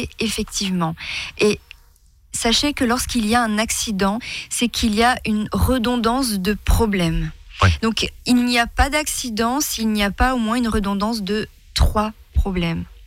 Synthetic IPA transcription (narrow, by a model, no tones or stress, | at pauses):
efɛkt̪ivmɑ̃e | saʃekəlɔʁskiliaɛ̃naksid̪ɑ̃sɛkʰiliaynʁəd̪ɔ̃d̪ɑ̃s̬d̪əpχɔblɛmd̪ɔ̃kilniapad̪aksid̪ɑ̃silniapaomwɛ̃ynʁəd̪ɔ̃d̪ɑ̃s̬d̪ə | t̪χwa | pχɔblɛm